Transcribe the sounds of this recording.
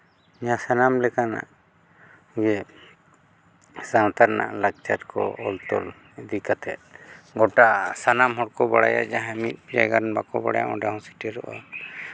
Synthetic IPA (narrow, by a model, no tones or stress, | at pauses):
ɲasanamlɛkana̰ʔ | ɡɛ | sawt̪aɾna̰ʔlak̚t͡ʃʰat̪kɔ̰ɔlt̪ɔl | ɛd̪ikat̪ʰɛt̪̚ɡɔʈasanamɦɔɽkɔbaɽa̰ja̰ʔd͡ʒaɦamit̪̚ˀpiɾajɡanbakɔbaɽaja̰mɔ̃ɖahɔ̃si̥ʈɛɾɔʔa